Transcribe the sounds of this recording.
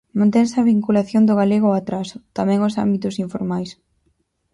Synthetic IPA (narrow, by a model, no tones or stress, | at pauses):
mãnt̪ɛŋsɪɐβiŋkulaθjond̪ʊɣaleɣ̞ʊat̪ɾasʊt̪amɛ̃ŋʊsa̰mbit̪ʊsiɱfoɾmajs